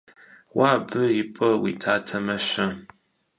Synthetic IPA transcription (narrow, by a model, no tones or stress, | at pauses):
waːbɨjɪpʼɐwḭːtʰaːtʰɐmɐɕɐ